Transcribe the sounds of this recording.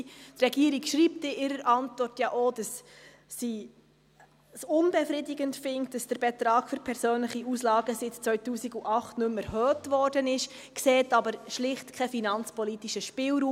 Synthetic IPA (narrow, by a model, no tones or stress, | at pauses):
trɛɡiːəɾikʃɾiːp̚tɪʔɪɾəɾʔɑntʋɔrtjɑʔod̥ɑsː | i | sʊnbɛfɾɪdɪɡəntfɪŋktd̥ɑsd̥əɾbɛt̪ɾɑːkfʏɾpʰɛɾsøːnləχiuːslɑːɡəsɪtt͡sʋœʏtuːsiɡuʔɑχtnɵmɛɾhøːtʋɔrd̥ənɪʃ | kseːtɑbəɾʃlɪχtkʰɛfinɑnt͡spɔlitiʃəʃpɪlɾuː